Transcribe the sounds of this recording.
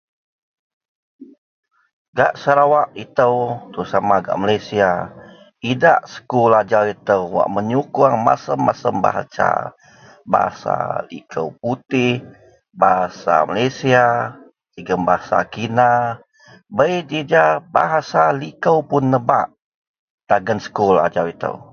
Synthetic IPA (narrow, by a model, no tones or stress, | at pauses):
ɡaʔsəɾawaʔit̪əwt̪əusamaɡa̰ʔmalajsia | idaʔsə̥kulad͡ʒawit̪əwwa̰ʔməɲukuaŋma̰səmːasəmba̰ɦa̰t͡ʃa̰ | ba̰ɦa̰sa̰lḭkʰə̰wp̚ut̪ɪh | baɦasa̰malajsia | ləɡəmbaɦasa̰kina | bəjd͡ʒid͡ʒaba̰ɦasalikəwpʊnːəba̰ʔ | t̪aɡənsə̥kula̰d͡ʒawit̪ə̰w